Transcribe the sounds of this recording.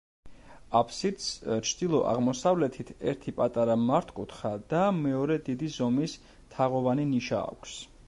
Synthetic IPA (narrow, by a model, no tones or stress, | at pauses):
apʰsit̪st͡ʃʰd̪ilˠɔʔa̰ʁmɔsavlɛt̪ʰit̪ʰɛ̰ɾt̪ʰipʼat̪ʼaɾamaɾt̪ʰkʼut̪χad̪amɛɔɾɛd̪id̪izɔmis | t̪ʰaʁɔvaniniʃa̰ːkʷʰs